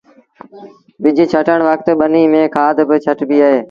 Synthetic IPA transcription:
bɪd͡ʒɪt͡ʃʰəʈəɳ̃ʋəkt̪ɓəniːmẽːkʰaːd̪bɪt͡ʃʰəʈbiːaːɦeː

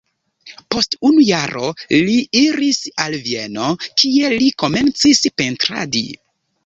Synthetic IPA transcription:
po̞stunujaɾo̞liiɾisalvie̞no̞kʰie̞liko̞me̞nt͡sispe̞ntɾa̰dḭ

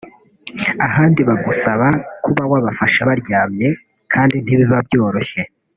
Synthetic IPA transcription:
ahaːndiβaɡusaβakuβawaβafaʃaβaɾɟaːmɲe̞ | kʰaːndin̥iβiβabɟo̞ːɾo̞çe̞

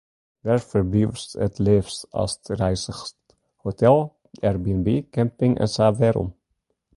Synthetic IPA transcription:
d̪æɾfœɾbliːʋsɛ̰t̪ʰleːfsɑ̰st̪ɾæɪsəɾst̪ | hʊt̪ʰɛl | æɾbiːənbiːkʰɛmpɪŋʔɛ̰nsɑːʋeːɾʊ̰m

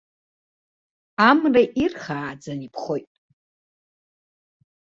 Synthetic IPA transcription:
amraʔirχaːd͡zanipʰχojtʼ

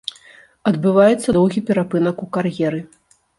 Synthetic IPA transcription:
ɐd̪bɨvajɛt̪sːɐd̪ɔwɣʲipʲɛɾapɨnɐkukarjɛɾɨ

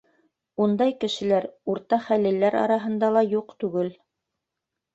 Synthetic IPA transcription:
und̪ɑjkɘ̆ʃɘ̆læɾuɾt̪ɑχælɘ̆lːæɾɑ̰ɾɑɦɤ̆nd̪ɑlˠɑjuqt̪ʉɡɘl

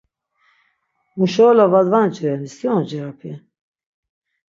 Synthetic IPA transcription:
muʃɔːlavad̪vant͡ʃiɾɛniskiɔnd͡ʒɛɾapʰi

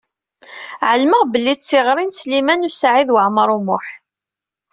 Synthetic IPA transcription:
ʕəlməʁbəlːit͡sːiʁɾˤinslimænusʕiðwəʕməɾˤumʊħ

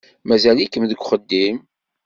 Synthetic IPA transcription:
mæzælikːəmðəɡʷχəd̪ːim

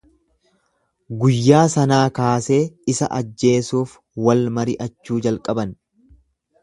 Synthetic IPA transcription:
ɡʊjːaːsɐnaːkaːseːɪsɐ̰ʔɐd͡ʒːe̞ːsuːf | wɐlmɐɾɪʔɐt͡ʃːuːd͡ʒɐlkʼɐbɐn

